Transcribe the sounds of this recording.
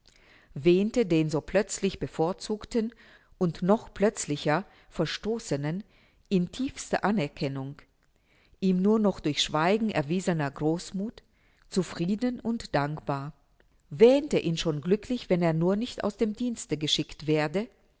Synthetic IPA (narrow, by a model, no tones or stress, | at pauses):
vɛːntədeːnzoːpʰl̥œt͡slɪçb̥əfoːɐt͡suːktən | ʔʊntnɔχplœt͡slɪçɐ | fɛɐʃtoːsənən | ʔɪntʰiːfstɐ̰ʔanɛɐkʰɛnʊŋ | ʔiːmnuːɐnɔχd̥ʊɐçʃv̥aɪɡŋ̩ʔɛ̰ɐviːzənɐɡʁoːsmuːt | t͡sufʁ̥iːdənʊntd̥aŋkb̥aːɐ | vɛːntəʔiːnʃoːnɡlʏkʰlɪçv̥ɛneːɐnuːɐnɪçta̰ʊsd̥eːmdiːnstəɡəʃɪktv̥eːɐdə